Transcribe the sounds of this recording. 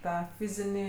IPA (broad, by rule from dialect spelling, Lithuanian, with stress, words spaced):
ˈtɑː ˈfʲɪzʲɪnʲiː